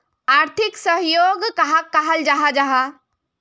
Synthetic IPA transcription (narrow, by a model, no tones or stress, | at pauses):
aːɾt̪ʰɪksəɦjoːɡkɐɦakːaɦəld͡ʒaɦad͡ʒaɦa